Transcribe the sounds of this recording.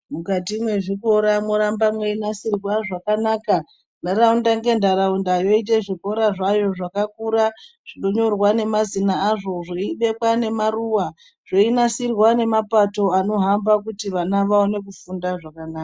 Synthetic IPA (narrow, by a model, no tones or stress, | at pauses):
mukat̬imwe̞ʐikoɾamoɾambamwe̞inasirwaʐakanaka | ndaɾaundaŋɡe̞ndaɾaundajo̞it̬e̞ʐiko̞ɾaʐajo̞ʐakakuɾaʐ̥iɗo̞ɲo̞rwane̞mazinaaʐo̞ʐoiɓe̞kwane̞maruwa | ʐ̥oinasirwane̞mapato̞ano̞ɦambak̬utiʋanaʋaone̞kufundaʐakanaːka